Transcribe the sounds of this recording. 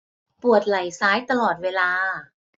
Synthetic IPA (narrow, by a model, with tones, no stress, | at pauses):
pu˨˩ət̪̚la˨˩jsaː˦˥jt̪a˧lɔː˨˩t̪̚weː˧˥laː˧